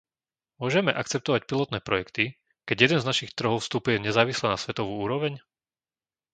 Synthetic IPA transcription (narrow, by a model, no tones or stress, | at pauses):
mʊɔʒɛmɛʔakt͡sɛp̚t̪ɔʋacpilɔt̪nɛːpɾɔjɛkt̪i | kɛɟjɛd̪ɛnznaʃixt̪r̩ɦɔʊfst̪uːpujɛɲɛzaːʋislɛːnasʋɛt̪ɔʋuːuːɾɔʋɛɲ